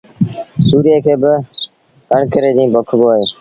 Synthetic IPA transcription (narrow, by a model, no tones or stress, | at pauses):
suːɾieːkʰeːbɪ | kəɳkəɾeːd͡ʒĩːbʱəkʰboːɦeː